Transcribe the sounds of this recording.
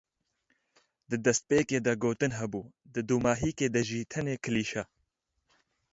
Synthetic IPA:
d̪ɨd̪ɛst̪̚peːkeːd̪ɐɡoːt̪ɨnɦɛbuːd̪ɨd̪uːmaːɦiːkeːd̪ɐʒiːt̪ʰɛneːkʰɨliːʃa

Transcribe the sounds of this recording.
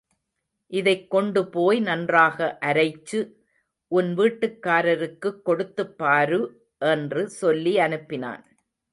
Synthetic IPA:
ʔɪðɐɪkːɔɳɖɯpoːjnɐndraːɣɐʔɐɾɐɪt͡ʃːɯ | ʔʊnʋiːʈːɯkːaːɾɐɾɯkːɯkːɔɽɯt̪ːɯpːaːɾɯ | ʔɛndrɯsɔlːiɐnɯpːɪna̰ːn

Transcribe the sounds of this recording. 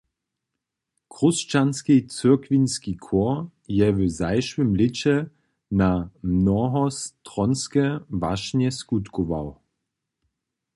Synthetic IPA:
kʁʊst͡ʃanskit͡søɐkvinskikʰɔɐ | jɛvəzaɪʃwɪmlɪt͡ɕɛ | namnɔɦɔstʁɔnskɛva̰ʃnɛskutkova̰w

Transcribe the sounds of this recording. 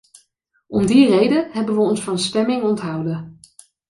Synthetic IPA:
ʔɔmdirejdənɦɛbənʋəɔnsfɑnstɛmɪŋɔntɦɑwdə

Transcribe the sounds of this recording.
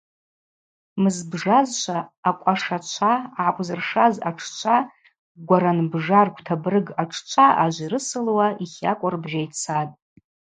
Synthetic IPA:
mɨzbʐazʃʷʰaːkʷʼaʂat͡ʃʷʰaʕakʷʼzɨrʂaza̰ʈ͡ʂʰt͡ʃʷʰa | ɡʷaɾanbʐarkʷʰʼtʰabrɨɡaʈ͡ʂʰt͡ʃʷʰaʔaʒʷiɾɨsɨlwaʔiχʲa̰kʷʼarbʒajt͡sʰatʼ

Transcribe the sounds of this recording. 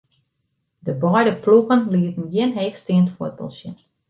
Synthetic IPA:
dəbɔjdəpluɣənliətən̩jɪnɦeːxstɪəntfuət̚pə̰lˠsjə̰n

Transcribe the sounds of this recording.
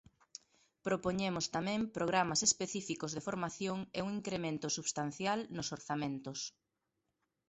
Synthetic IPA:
pɾopoɲemʊst̪amɛ̃ŋpɾoɣ̞ɾamasespeθifikozðefoɾmaθjoŋeuŋiŋkɾemẽnt̪ʊsuβst̪an̟θjalnʊsoɾθamẽnt̪ʊs

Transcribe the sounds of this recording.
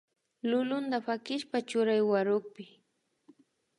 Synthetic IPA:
lʊlʊnd̪apakɪʃpat͡ʃʊɾajwaɾʊk̚pɪ

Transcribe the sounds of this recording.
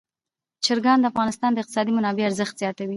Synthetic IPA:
t͡ʃɪɾɡɑnd̪əafɣɑnɪst̪ɑnd̪əɪq̚t̪ɪsɑd̪imʊnɑbeaɾzəxt̪z̥jɑt̪awi

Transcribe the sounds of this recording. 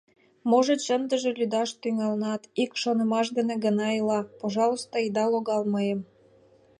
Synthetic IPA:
moʒĕt͡ɕənd̪əʒĕlʲyd̪ɑʃt̪yŋɑlnɑt̪ikʃonə̆mɑʃ̬d̪ĕnĕɣə̆nɑilɑpoʒɑlˠost̪oid̪ɑloɣɑlməjəm

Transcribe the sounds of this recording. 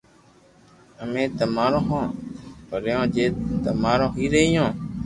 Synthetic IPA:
əmẽːt̪əmaːɾõːɦõːpəɾjõːd͡ʒeːt̪əmaːɾõːɦiːɾeːjõː

